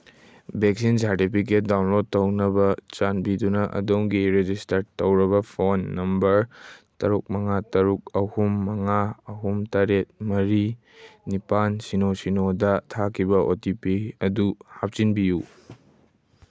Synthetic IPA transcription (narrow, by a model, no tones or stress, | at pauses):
bek̚sinsaɾtipʰik̬et̚dawnlod̚tɐwnɐbɐt͡ʃanbidunɐʔɐ̰doŋɡiɾed͡ʒistɐɾtɐwɾɐβɐpʰonːɐmbɐɾtɐɾuk̚mɐŋatɐɾuk̚ɐhumːɐŋaɐɦumtaɾet̚mɐɾi | nipansinosinodɐtʰakʰːibɐʔotipiɐduhap̚t͡ʃinbiju